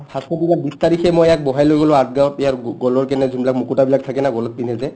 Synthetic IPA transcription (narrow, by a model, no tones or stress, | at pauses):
pʰaskɔtikabistaɹixɛmojɛak̚bɔɦajlojɡɔlʊ̃at̚ɡawtɛjaɹɡɔlɔɹkɛnɛzunbilak̚mukutabilak̚tʰakɛnaɡɔlɔt̚pinɛzɛ